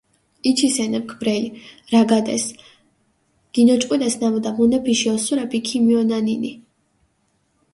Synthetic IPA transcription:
it͡ʃʰisɛnɛp̚kʰbɾɛiɾaɡad̪ɛ̰s | ɡ̥inɔt͡ʃʼqʼwilasnamɔd̪amunɛpʰiʃiɔsuɾapikʰimiɔnanini

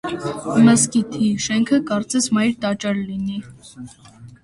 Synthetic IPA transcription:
məskit̪ʰiʃɛŋkʰəkɑɾt͡sɛsmɑjɾt̪ɑt͡ʃɑɾlini

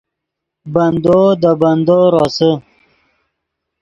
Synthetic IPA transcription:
bɐnd̪od̪əbɐnd̪oɾosə

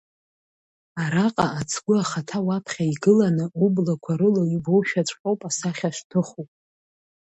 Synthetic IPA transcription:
aɾaqʼaat͡sʰɡʷʊaχatʰawapʰχʲaiɡɨlanɨublakʷʰaɾɨloibo̞wʃᶣat͡ʃʷʼqʼowpʼasaχʲaʃʷtʰɨχupʼ

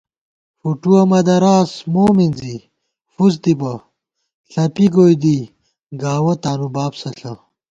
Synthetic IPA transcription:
fuʈuɐmɐd̪ɐɾaːsmoːminzi | fus̬d̪ibɐ | ɬɐpiɡoːjd̪i | ɡaːwɐt̪aːnubaːbsɐɬɐ

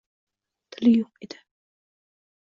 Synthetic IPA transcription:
t̪ʰɪlɪjoqed̪̥ɪ̥

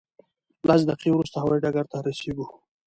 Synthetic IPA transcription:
lʔas̬d̪aqiwɾust̪ahawajɖaɡaɾt̪aɾaseɡu

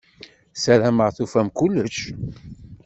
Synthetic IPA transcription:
sæɾæməʁθufæmkulːəʃ

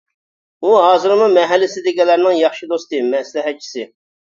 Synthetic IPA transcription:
uɦɑːzɨɾmumɛɦɛlːɪsɪd̪ɪɡʲɛlːæɾnɪŋjɑχʃid̪ost̪ɨmɛslɪɦɛt̪̚t͡ʃʰi̥sɪ

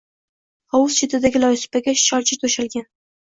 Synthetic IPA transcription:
ɒwʊzt͡ʃʰɪt̪ʰɪd̪aɡʲɪlɒjsɪ̥paɡʲaʃt͡ʃʰɒɾt͡ʃʰɪt̪ʰoʃalɡʲan

